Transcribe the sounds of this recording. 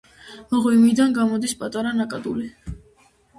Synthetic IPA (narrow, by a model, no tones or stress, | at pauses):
mɔʁwimid̪anɡamɔd̪ispʼat̪ʼaɾanakʼad̪uli